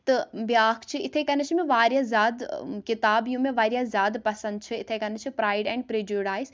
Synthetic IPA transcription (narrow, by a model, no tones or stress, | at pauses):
t̪ɐbjaːkʰt͡ʃʰiɪt̪ʰekɐnət͡ʃʰimẽʋaːɾjazjaːd̪kɪt̪aːbjũmẽʋaːɾjazjaːd̪pɐsɐ̃nd̪̚t͡ʃʰɨɪt̪ʰekɐnət͡ʃʰipɾaːɪɖɛ̃ːɳɖpɾeːd͡ʒoːɖaːɪz